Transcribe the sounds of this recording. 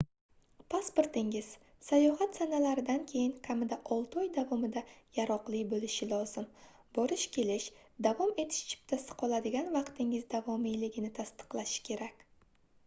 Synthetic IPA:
pʰaspoɾt̪ɪŋɪz̥ | sajɒɦat̪sanalaɾɪd̪ankʲʰe̞jɪŋkʲʰamɪd̪aʔɒlˠt̪ɒjd̪avɒmɪd̪ajaɾɒqlˠɪbolɪʃɪlˠɒz̥ɪm | bɒɾɪʃkʲʰe̞lɪʃd̪avɒme̞t̪ʰɪ̥ʃt͡ʃʰɪ̥p̚t̪ʰasɪ̥qʰɒlˠad̪ɪɡʲanvɑqt̪ɪŋɪzd̪avɒmijlɪɡʲɪnɪt̪ʰast̪ɨ̥qlˠaʃɪ̥kʲʰe̞ɾakʲ

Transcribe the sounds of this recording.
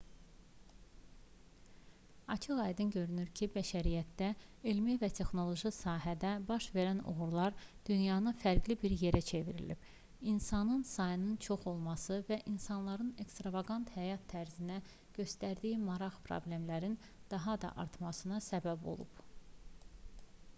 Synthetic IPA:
ɑt͡ʃʰɯʁɑjd̪ɯnɟø̞ɾynyɾcʰibæʃæɾijæt̪̚d̪æelmivæt̪ʰe̞xno̞lˠo̞ʒisɑːɦæd̪æbɑʃve̞ɾæno̰ɣuɾlˠɑɾd̪̥ynjɑːnɯfæɾɡlibiɾje̞ɾæt͡ʃʰe̞viɾḭlḭb̥ | insɑnɯnsɑjɯnɯnt͡ʃʰo̞χo̞lˠmɑsɯvæʔinsɑnlˠɑɾɯne̞kst̪ɾɑvɑɡɑnt̪hæjɑt̪ʰːæɾzinæ | ɟ̥ø̞st̪æɾd̪ijimɑɾɑʁpʰɾo̰blʲe̞mlæɾin | d̪̥ɑɦɑd̪ɑ̰ʔɑ̰ɾt̪ʰmɑsɯnɑsæbæbo̞̰lˠṵb̥

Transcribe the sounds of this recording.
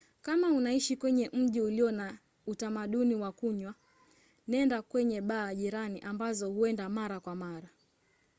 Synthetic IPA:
kamaunaiʃikwɛɲɛʔm̩ʄiuliɔna | utamaɗuniwakuɲwa | nɛndakwɛɲɛɓaːʄiɾaniʔambazɔhuɛndamaɾakwamaɾa

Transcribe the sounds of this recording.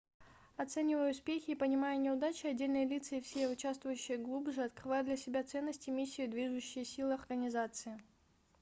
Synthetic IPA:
ɐt̪sɛnʲɪvəjʊspʲexʲɪːpənʲɪmajʊnʲɪʊd̪at͡ɕɪɐdʲːelʲnɨjəlʲit̪sɨɪfsʲeʊt͡ɕast̪vʊjʉɕːɪjəɡlˠubʐɨɐt̪̚kɾɨvajʊd̪lʲɐsʲɪbʲat̪sɛnːəsʲtʲɪmʲisʲːɪjɪd̪vʲiʐɨɕːɪjəsʲilˠɨɐrɡənʲɪzat̪sɨɪ

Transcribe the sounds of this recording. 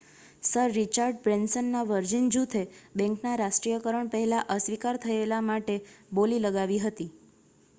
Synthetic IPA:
səɾːit͡ʃaɾɖbɾɛnsənːaʋəɾd͡ʒind͡ʒut̪ʰebɛ̃ŋknaɾaʃʈɾijəkəɾəɳpəɦɛlaʔəsʋikaɾt̪ʰəelamaʈeboliləɡaʋiɦət̪i

